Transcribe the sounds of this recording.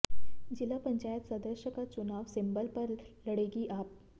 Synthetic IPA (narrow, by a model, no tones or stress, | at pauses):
d͡ʑilapəɲt͡ɕajət̪səd̪əɕəkat͡sunaʋsimbəlpəɾləɽeɡiːʔap̚